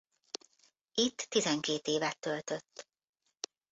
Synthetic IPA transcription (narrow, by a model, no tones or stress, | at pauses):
it̪ːizɛŋkeːt̪eːvɛt̪ːølt̪øt̪ː